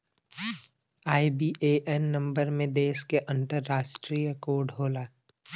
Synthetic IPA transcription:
aːibiːʔeʔɛnːɐ̃mbəɾmẽd̪eːʃkeʔɐ̃nt̪əɾːaːʃʈɾiːjəkoːɖɦoːlaː

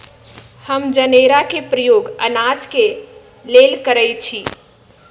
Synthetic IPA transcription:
həmd͡ʒəneɾakepɾəjoɡə̰nad͡ʒke | lelkəɾəjt͡ʃʰi

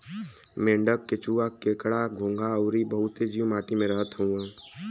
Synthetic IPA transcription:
mẽːɳɖəkːet͡ʃuːakekɽaɡʱõːŋɡʱaəːɾibəɦʊt̪ed͡ʒiũmaːʈimẽɾəɦət̪ɦũãː

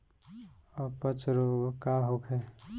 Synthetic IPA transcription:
ɔpət͡ʃɾoɡkaɦokʰɛ

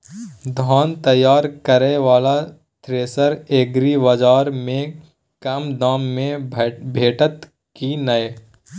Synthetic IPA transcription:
d̪ʱaːnt̪ɐjaːɾkəɾeʋaːla | t̪ɾeːsəɾeːɡɾiʋɐd͡ʒaːɾmẽ | kɐmd̪aːmːẽbʱeːʈət̪ | kinɐe

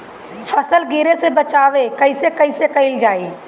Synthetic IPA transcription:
fʰɐsəlɡɪɾesebət͡ʃaːʋekɐɪisekɐisekɐɪld͡ʒaːiː

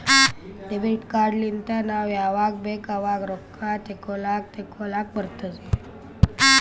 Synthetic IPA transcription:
ɖebiʈkaɾɖlint̪anaʋjaʋak̚bekaʋakɾokʰːat̪ekolak̚t̪ekʰolak̚bəɾt̪əd͡ze

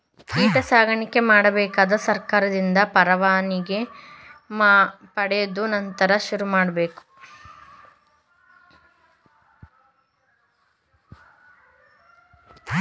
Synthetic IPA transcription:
kiːʈɐsaːɡɐɳikːe̞maːɽɐbɛːkaːd̪ɐsɐɾkaːɾɐd̪ind̪ɐpɐɾɐʋaːniɡe̞ | maːpɐɽɛjod̪unɐnt̪ɐɾɐʃuɾumaːɽɐbeːku̥

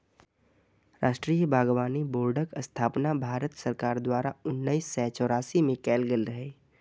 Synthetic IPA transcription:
ɾaːʃʈɾijəbʱaːɡʋaːniboːɾɖəkəst̪ʰaːpnabʱaːɾət̪səɾkaːɾd̪waːɾaʊnːəisːɛːt͡ʃɔːɾaːsimẽkɛːlɡəlɾəɦeː

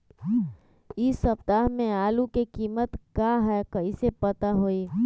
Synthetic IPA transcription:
ɪsːəpt̪aːɦmẽaːlukekiːmət̪kaɦɛkɐisepət̪aɦoiː

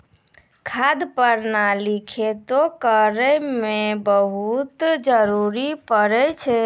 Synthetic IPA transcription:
kʰad̪pəɾnalikʰet̪okəɾɛmebəɦut̪d͡ʒəɾuɾipəɾɛt͡ʃʰɛ

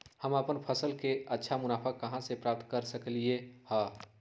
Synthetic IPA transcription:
həməpənpʰəsəlkeətːʃʰamʊnaːpʰakəɦãsepɾaːp̚t̪kəɾsəkliehɛ̃ː

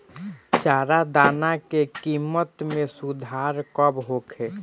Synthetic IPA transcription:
t͡ʃaːɾad̪aːnakekimːət̪mẽsud̪ʱaɾkəbɦokʰe

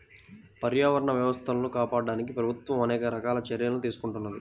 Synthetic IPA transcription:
pɐɾjaːʋɐɾɐɳɐʋjɐʋɐst̪ʰɐnlokaːpaːɖaːnik̬ipɾɐbʱut̪ʋɐmɐnɛːkɐɾɐkaːlɐt͡ʃɐɾjɐlɐnut̪iːsu̥kuɳʈunːɐd̪i

